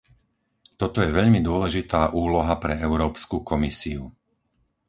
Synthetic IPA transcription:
t̪ɔt̪ɔjɛʋɛʎmid̪ʊɔlɛʒit̪aːʔuːlɔɦapɾɛɛʊɾɔːpskukɔmisiu

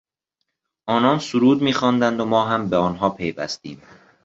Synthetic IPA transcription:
ʔɒːnɒːnsuɾuːd̪miːxɒːnd̪ænd̪omɒːɦæmbeɒːnɦɒːpʰe̞jvæ̰st̪ḭːm

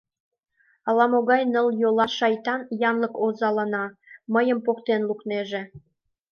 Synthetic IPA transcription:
ɑlɑmoɣɑjnə̆ljolɑʃɑjt̪ɑnjɑnlə̆kozɑlənɑməjə̆mpokt̪enlukneʒe

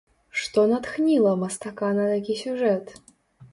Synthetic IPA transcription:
ʂt̪onɐt̪xnʲilˠɐmɐst̪ɐkanɐt̪akʲisʲuʐɛt̪

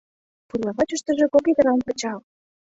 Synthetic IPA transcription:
purlˠɑβɑt͡ɕə̆ʃt̪ə̆ʒĕkokʲed̪ɤ̆ɾɑnpə̆t͡ɕɑl

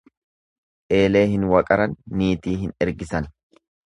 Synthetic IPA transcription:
ʔe̞ːle̞ːɦɪnwɐkʼɐɾɐnːiːt̪iːɦɪnɛɾɡɪsɐn

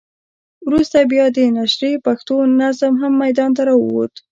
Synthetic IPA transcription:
wɾust̪abjɑd̪ənaʃɾepaxt̪onazmɦamːajd̪ɑnt̪aɾɑwəwo̰t̪

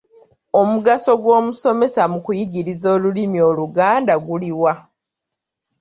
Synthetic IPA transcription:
o̞muɡaso̞ɡwo̞ːmuso̞me̞samukujiɡiɾizo̞ːlulimio̞ːluɡaːndaɡuliwa

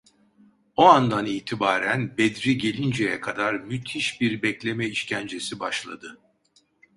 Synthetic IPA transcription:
oand̪aniːt̪ʰibaːɾænbɛd̪ɾiɟe̞lʲind͡ʒejɛkʰad̪aɾmyt̪ʰiʃbiɾbɛclʲe̞mɛiʃcʰænd͡ʒe̞sibaʃlˠad̪ɯ

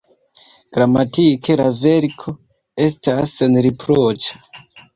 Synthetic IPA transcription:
ɡ̥ɾamatikʰe̞lave̞ɾkʰo̞ | e̞stasenɾipɾot͡ʃḁ

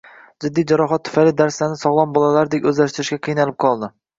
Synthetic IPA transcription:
d͡ʒɪd̪ːijd͡ʒaɾɒɦat̪ʰːʊ̥falɪd̪aɾslanɪsɒʁlˠɒnbɒlalaɾd̪ekʲɵzlaʃt̪ɪɾɪʃkʲaqʰɨjnalɪp̚qʰɒlˠd̪ɪ

